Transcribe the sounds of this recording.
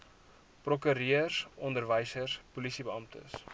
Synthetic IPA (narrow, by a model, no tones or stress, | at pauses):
prokyɾiərsʔɔndərvəjsərspulisibəɑmtə̰s